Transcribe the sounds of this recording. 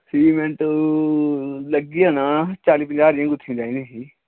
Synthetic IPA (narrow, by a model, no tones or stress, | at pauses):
siːmɛ̃ːʈo | ləɡiːãːnaːt͡ʃaːliːpə̃ɲd͡ʒaːɾɪjãːɡʊt̪ʰːĩːd͡ʒaːĩːd̪ĩːɦiː